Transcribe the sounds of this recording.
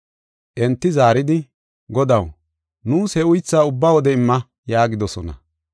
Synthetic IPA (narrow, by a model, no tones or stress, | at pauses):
ʔɛnt̪ːɪzaːɾɪd̪ɪ | ɡɔd̪ɐw | nuːshɛʊjt͡sːaːʊbːawɔd̪ɛɪmːɐ | jaːɡɪd̪ɔsɔnɐ̰